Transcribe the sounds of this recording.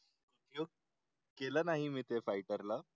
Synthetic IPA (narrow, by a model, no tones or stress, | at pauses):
kuʈ̪jo | kelanaɦimiːt̪efajʈəɾla